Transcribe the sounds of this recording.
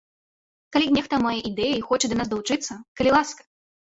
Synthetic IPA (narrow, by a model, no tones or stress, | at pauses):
kalʲinʲɛxt̪ɐmajɐʔid̪ɛjɐixɔt͡ʂɛd̪ɐnasd̪ɐwut͡ʂɨt̪sːɐkɐlʲilˠaskɐ̥